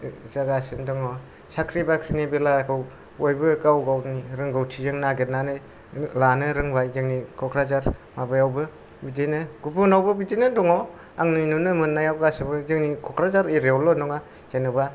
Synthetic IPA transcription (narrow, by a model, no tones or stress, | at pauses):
zaɡasɯndɔŋɔ | sakʰɾibakʰɾinibilakʰɯw | ojbɯkawɡawniɾɯŋɡawtʰizɯŋnaɡetnanɯ | lanɯɾɯŋbajzɯŋnikʰɔkʰɾazaɾmabajawbɯ | bidɯjnɯɡ̥ubunawbɯbidejnɯdɔŋɔ | aŋninunɯmɯnːajawɡasɯbɯzɯŋnikʰɔkʰɾazaɾiɾeɔlɔnɔŋa | zanɯba